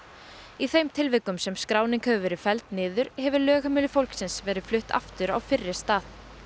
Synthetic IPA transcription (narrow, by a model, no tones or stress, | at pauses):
iθejmt̪ʰɪlvɪkːʏmsɛmskɾaːwnɪŋkhœvʏvɛːɾɪ̥fɛlt̪nɪːðʏɾ̥hɛvʏlœːɣamɪːlʏfowlksɪnsvɛːɾɪðflʏht̪a̰ft̪ʏɾa̰wfɪrːɪ̥st̪aːθ